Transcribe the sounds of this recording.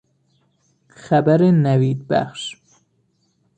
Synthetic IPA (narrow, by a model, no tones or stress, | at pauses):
xæbæɾenæviːd̪bæ̰xʃ